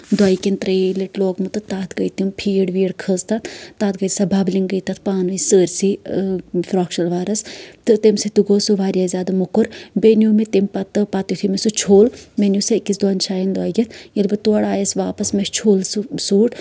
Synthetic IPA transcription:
d̪waːikʲent̪ɾeːleʈloːɡmut̪ɨt̪aːt̪ʰɡəjt̪impʰiːɽʋiːɽkʰəzt̪at̪ʰt̪aːt̪̚ɡəjt̪sɐbʱabliŋɡəjt̪ɐt̪ʰpaːnuisəːɾʲsi | fɾoːkʃɐlʋaːɾɐst̪ɨt̪emset̪uɡoːsuʋaːɾʲjazʲaːd̪ɐmukuɾbenumet̪empɐt̪ːɨpat̪it̪ʰimesut͡ʃʰoːlmenjusekisd̪waːnt͡ʃʰaːjind̪waːiɡʲit̪ʰjilbɨt̪uɽaːjɐsʋaːpɐsmest͡ʃʰoːlssuːʈ

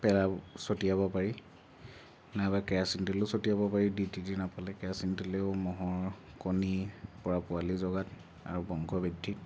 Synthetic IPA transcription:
pɛlasotijabɔpaɹi | nabakɛjasintuleʊsotijabɔpaɹidititinapalɛkɛasintuleʊmɔɦɔɹ | konipɔɹapʊalizɔɡat | a̰ɹubɔŋkɔbidʱːit̚

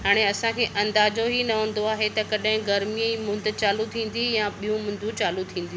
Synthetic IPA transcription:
ɦaːɽ̃eɐsãkʰeːʔɐ̃nd̪aːd͡ʑoɦinɐʋə̃ːn̆d̪oaːɦet̪ɐkɐɗɦɪ̃ɡɐɾmiəimʊ̃nd̪t͡ɕaːlut̪ʰĩːn̆d̪ijãɓijũmʊ̃nd̪ʱũt͡ɕaːlut̪ʰĩːn̆d̪iũ

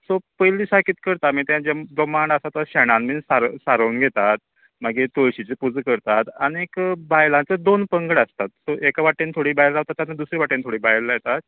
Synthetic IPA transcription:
sopəjliːsakiːt̪kəɾt̪amiːt̪jãd͡ʑaɡəmaɳɖəsat̪əɕɛɽ̃ãnmisaɾsaɾəːnɡʱet̪at̪̚ | maɡet̪ojɕit͡sepud͡zkəɾt̪at̪aniekbajlãt͡səd̪onpəŋɡɽəst̪at̪̚soʔekaʋaʈːent̪ʰoɽiːbajɾɾaʋt̪at̪ːjanːad̪usɾiʋaʈːent̪ʰoɽiːbajɾlajet̪at̪̚

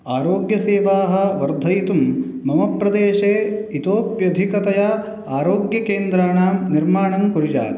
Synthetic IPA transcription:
aːɾoːɡjɐseːʋaːɦɐ̆ʋɐɾd̪ʱɐjit̪umː | ɐmɐpɾɐd̪eːʃeːit̪oːpjɐd̪ʱikɐt̪ɐjɐ | aːɾoːɡjɐkeːnd̪ɾaːɳaːmniɾmaːɳɐmkuɾid͡ʒa̰ːt̪

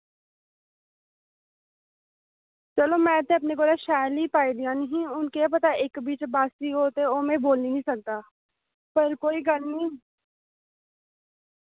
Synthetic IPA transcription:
t͡ʃɐlomɛ̃ːt̪ẽɐp̬neɡoːɾaʃaːjlipaːid̪ijãnɐɦĩʊnkeep̬ɐt̪aʔeːkbiːt͡ʃbaːsiɦoːt̪eoːmẽboːlninĩsɐk̚t̪aː | pɐɾkoːiɡɐlnĩ

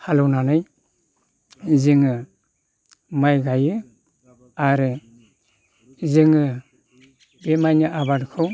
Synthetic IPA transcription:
halɯwnanɯj | zɯŋɯ | majɡajɯ | aɾɯ | zɯŋɯ | bemajnɯʔabadkʰɯw

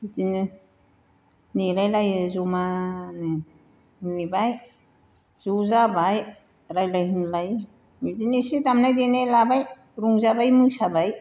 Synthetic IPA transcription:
mitini | niɾajlajɯzumanɯ | nibaj | z̥uzabaj | ɾajlajɦinlaj | midinisidamnajdenelabaj | ɾuŋzabajmujsabaj

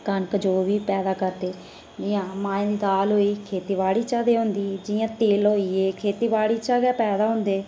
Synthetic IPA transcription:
kənkd͡ʒoːʋiːpɛːd̪aːkəɾd̪eː | d͡ʒɪjãːmãːẽːd̪iːd̪aːlɦoːiːkʰeːt̪iːbaːɽiːt͡ʃaːd̪eːɦʊ̃nd̪iːd͡ʒɪjãːt̪eːlɦoːiːeːkʰeːt̪iːbaːɽiːt͡ʃaːɡɛːpɛːd̪aːɦʊ̃nd̪eː

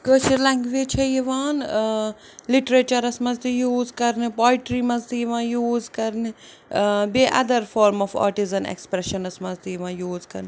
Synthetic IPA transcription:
kəːʃiɾlɐ̃ŋkʋeːt͡ʃʰɐjiʋaːn | liʈɾet͡ʃɐɾɐsmɐzt̪ijuːzkɐɾnɨpɔːjʈɾimɐzt̪ijʋãːjuːzkɐɾnɨ | beʔɐ̰d̪ɐɾfɔːɾmɔfa̰ːʈizɐnḛkspɾeʃɐnɐsmɐnzt̪ijʋãːjuːzkɐɾn

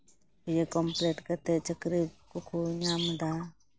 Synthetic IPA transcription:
jekɔmpleːʈkɐt̪et͡ʃəkɾikʊkʰuɲaːmd̪aː

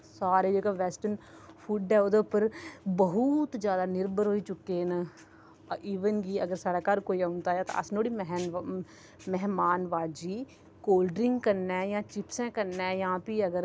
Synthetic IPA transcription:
saːɾeːd͡ʒeːɡaːʋɛːsʈən | pʰuːɖɛːoːd̪eːʊpːəɾbəɦʊt̪d͡ʒjaːd̪aːnɪɾbəɾɦoːiːt͡ʃʊkːeːnə | ʔiːʋənɡiːəɡəɾsaːɽaːkaɾkoːiːãːʊnd̪aːjaːt̪ã̰ːəsnoːɽiːmɦn | mɛɦmaːnʋaːd͡ʒiː | koːlɖɾɪ̃ŋɡkəɾnɛ̃ːjãːt͡ʃɪpsɛ̃ːkəɾnɛ̃ːjãːpiːəɡəɾ

